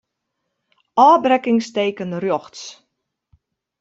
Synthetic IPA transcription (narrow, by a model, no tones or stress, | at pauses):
ʔɑːbrɛkɪŋstejkənərjɔχts